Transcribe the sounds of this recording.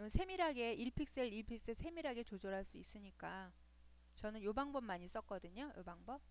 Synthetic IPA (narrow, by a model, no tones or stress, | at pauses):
sʰe̞miɾɦaɡe̞iɭpʰik̚s͈eɭiɭpʰik̚s͈esʰe̞miɾɦaɡe̞t͡ɕod͡ʑoɾɦaɭs͈uis͈ɯɲik͈a | t͡ɕʌnɯnjobaŋbʌmmaɲis͈ʌk͈ʌdɯɲojo̰baŋbʌp̚